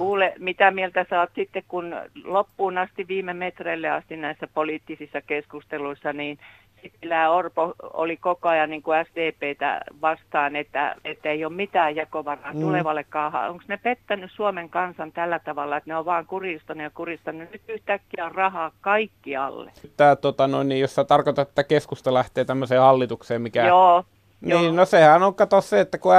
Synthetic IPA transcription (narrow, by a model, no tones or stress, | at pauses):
kuːlemit̪æmielt̪æsɑːt̪sit̪ːekkunlopːuːnɑst̪iʋʋiːmemet̪reilːeɑst̪innæisːæpoliˑt̪ːisisːɑkeskust̪eluisːɑniːn | sit̪milːæːorpoo̰likokoɑjɑnniːŋkuæst̪eːpeːt̪æ̰ʋɑst̪ɑːnet̪ːæ̰et̪ːeiommit̪æːjjɑkoʋɑrɑːt̪uleʋɑlːekkɑːhɑ̰oŋksnepet̪ːænyssuomeŋkɑnsɑnt̪ælːæt̪ɑʋɑlːɑet̪neoʋɑːŋkurist̪ɑnujɑkurist̪ɑnːynyt̪yht̪ækːiæorrɑhɑːkkɑikːiɑ̰lːḛt̪ːæːtt̪ːot̪ɑnoˑinnijjosːɑt̪ɑrkot̪ɑt̪e̥t̪ːækeskust̪ɑlæht̪eːt̪æmːøseːhɑlːit̪ukseːmmikæoː | niːnosehænoŋkɑt̪osseet̪ːæku